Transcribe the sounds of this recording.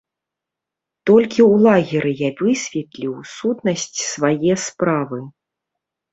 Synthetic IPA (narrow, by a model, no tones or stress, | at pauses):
t̪ɔlʲkʲiwlˠaɣʲiɾɨjavɨsʲvʲɛt̪lʲiwsut̪nɐsʲt͡sʲsvajɛspɾavɨ